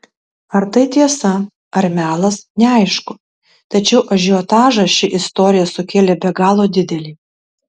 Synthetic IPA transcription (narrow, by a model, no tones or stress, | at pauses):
ɐɾt̪ɐɪt̪ʲiɛsɐ | ɐɾʲmʲæːlˠɐsnʲɛɐɪʃkʊ | t̪ɐt͡ʃʲɛʊʔɐʒʲɪoːt̪ɑːʒɐʃʲɪʔɪst̪oːɾʲɪjɛsʊkʲeːlʲebʲɛɡɑːlˠoːd̪ʲɪd̪ʲɛlʲiː